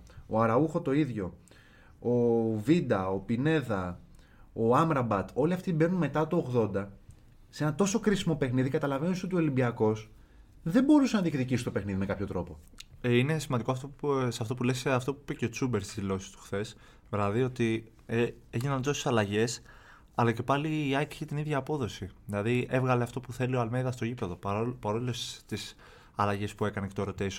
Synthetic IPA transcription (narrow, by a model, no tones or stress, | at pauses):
o̰ɐɾɐuxo̞t̪o̞iðʝo̞ | ovid̪ɐopine̞ðɐ | oɐmɾɐbɐt̪o̞liɐft̪ibe̞ɾnunme̞t̪ɐt̪oːɣðo̞nd̪ɐ | see̞nɐt̪o̞so̞kɾisimo̞pe̞xniðikɐt̪ɐlɐve̞nisot̪iolimbiɐko̞s | ðembo̞ɾusenɐt̪ikðicisi̥st̪o̞pe̞xniðime̞kɐpço̞t̪ɾo̞po | eine̞simɐnd̪iko̞ɐft̪oseɐft̪o̞p̬uleseɐft̪o̞puipeceo̞t͡sube̞ɾst̪izlo̞si̥st̪u̥xθe̞s | vɾɐðio̞t̪i | eʝinɐnzosi̥sɐlɐʝe̞s | ɐlɐce̞pɐliːɐjkeçet̪iniðʝɐːpo̞ðo̞siðilɐðie̞vɣɐle̞ɐft̪o̞puθe̞lio̞ɐlmeiðɐst̪o̞ʝipe̞ðo̞ppɐɾo̞lilost̪is | ɐlɐʝe̞spue̞kɐnece̞t̪oeɾo̞t̪eso